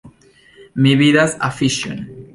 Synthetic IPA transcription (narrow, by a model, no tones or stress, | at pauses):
miβiðasa̰fiʃjõ̰n